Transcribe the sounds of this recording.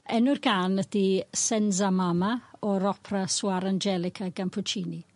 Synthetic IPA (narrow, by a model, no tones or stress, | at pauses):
ɛnʊrɡanəd̥isɛnzamamaɔɾɔpʰraswaɾand͡ʒɛlˠɪkʰaɡanpʰʊt͡ʃʰiːni